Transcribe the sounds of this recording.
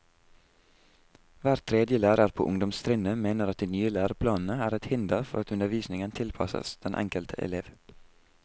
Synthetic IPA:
ʋæːɾt̪ʰɾed̪jəlæːɾəɾpʰo̰ːʊŋd̪ɔmst̪ʰɾɪnəmeːnəɾɑt̪̚d̪iːnyːəlæːɾəpʰlɑːn̩əæːɾɛt̪hɪnd̪əɾfɔɾɑt̪ʉnəɾʋiːsnɪŋənt̪ʰɪlpʰɑsə̰sd̪̥ɛnʔɛ̰ŋkəlt̪ʰəʔɛ̰leːʋ

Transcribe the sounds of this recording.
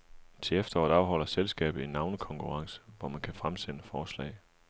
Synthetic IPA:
t͡sʰe̝efd̥ɐɒ̰ːðˠɑ̈ʊɦɒ̽l̰ɐselsɡ̥ɛ̰ːb̥ð̩ˠe̝nːɑ̈ʊnəkʰɒ̽ŋkʰuʁɑ̈ŋsə̥ʋɒmænkʰæfʁamsenəfɒːslɛ̰ɪ

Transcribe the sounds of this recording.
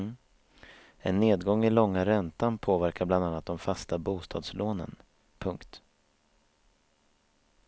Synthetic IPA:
ɛnːeːd̪ɡɔŋːɪlɔŋːaɾɛnt̪anpʰoːvæɾkaɾbland̪anːat̪̚d̪ɔmfast̪abuːst̪ʰɑ̰ːd̪sloːnə̰n | pʰɵŋkt̪

